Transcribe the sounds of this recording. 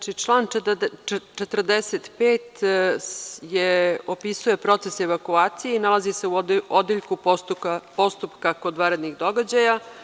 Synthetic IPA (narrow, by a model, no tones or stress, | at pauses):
t͡ʃit͡ʂlˠaːn | t͡ʃet̪rd̪eset̪peːt̪ | jeopisuje̞pɾo̞t̪se̞se̞ʋakuaːt̪sijeinalˠazise̞uod̪iʎkup̪uapo̞st̪upkakod̪ʋaːɾed̪niɣd̪o̞ɡad͡ʑaja